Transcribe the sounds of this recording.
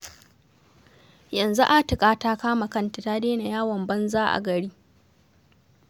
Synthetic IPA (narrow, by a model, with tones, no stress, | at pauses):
jɐ˨nzu˦ʔa˦tɪ˨kʼaː˦taː˦kaː˦ma˨kɐ˦ntɪ˨taː˦deː˦na˨jaː˦wɐ˨mbɐ˦nzaː˦ʔa̰˨ɡɐ˨ɽiː˦